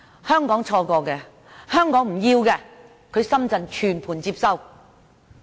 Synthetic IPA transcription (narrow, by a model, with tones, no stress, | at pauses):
hœː˥ŋkɔː˨˥ŋt͡sʰɔː˧kɔː˧kɛː˧ | hœː˥ŋkɔː˨˥ŋm̩˨˩jiː˧wkɛː˧ | kʰɵ˨˧ɥsɐ˥mt͡sɐ˨˧nt͡ʃʰyː˨˩npʰuː˨˩nt͡siː˧p̚sɐ˥w